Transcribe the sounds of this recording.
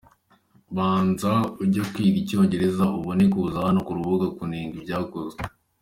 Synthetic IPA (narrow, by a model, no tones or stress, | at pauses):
βaːnzauɾɟakwiːɡico̞ːɲɟe̞ɾezauβonekuzaanokuɾuβuɡakuniːŋɡibɟaːkoze